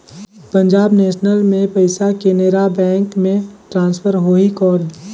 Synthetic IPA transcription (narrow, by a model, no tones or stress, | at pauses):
pə̃ɲd͡ʒaːbneːʃnəlmẽpəɪsakeneɾabɛ̃ːŋkmẽʈɾãːnspʰəɾɦoːikɔːl